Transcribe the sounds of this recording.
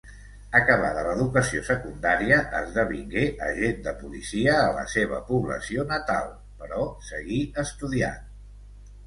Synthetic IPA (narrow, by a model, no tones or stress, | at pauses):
əkəβaðələðukəsiosəkund̪aɾiəʔəzðəβiŋɡeʔə̰ʒend̪əpulisiəːlə̰seβ̞ə̰puβlə̰sionət̪a̰lˠ | pəɾɔsəɣiəst̪uðia̰n